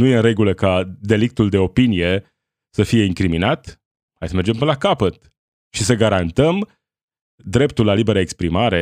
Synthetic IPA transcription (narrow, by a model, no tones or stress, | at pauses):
nuje̞ɨɾe̞ɡuləkad̪e̞lik̚t̪uld̪e̞o̞pinije̞ | səfije̞iŋkɾiminat̪ | hajsəme̞rd͡ʒe̞mpəlakapət̪ | ʃisəɡaɾant̪əm | d̪ɾe̞pt̪ulːalibe̞ɾaekspɾimaɾe̞